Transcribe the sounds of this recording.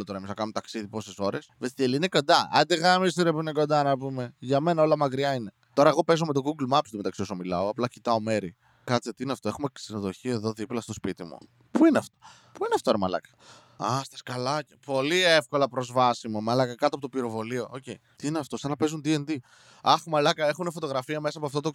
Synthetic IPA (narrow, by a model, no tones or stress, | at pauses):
lot̪oɾɐemiznɐkɐnumt̪ɐksiðipo̞seso̞ɾe̞svest̪ieliine̞ko̞nd̪ɐɐ̰nd̪iɣamisiɾepuineko̞nd̪ɐnɐpume̞ʝɐme̞nɐo̞lɐmɐkɾiɐine̞ | t̪o̞ɾɐeɣo̞pe̞zomet̪o̞ɡuɡlmɐpst̪ume̞t̪ɐksio̞somilɐoɐplɐcit̪ɐo̞me̞ɾi | kɐt͡set̪iineɐft̪oe̞xumesinoðo̞çieðo̞ðiplɐst̪o̞spit̪imṵ | puineɐft̪o̞̥ | puineɐft̪oɾɐmɐlɐ̰kɐ̥ | ɐst̪ɐskɐlɐcepo̞liefko̞lɐpɾo̞zvɐsimumɐlɐkɐkɐt̪oɐpot̪opiɾo̞vo̞lio̞oce̞jt̪iineɐft̪o̞sɐnɐpe̞zund̪iend̪i | ɐxmɐlɐkɐe̞xunefo̞t̪o̞ɣɾɐfiɐme̞sɐpoɐft̪ot̪o